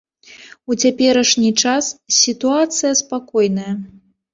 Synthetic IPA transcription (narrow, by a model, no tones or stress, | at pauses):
ut͡sʲapʲɛɾɐʂnʲit͡ʂassʲit̪uat̪sɨjɐspakɔjnɐjɐ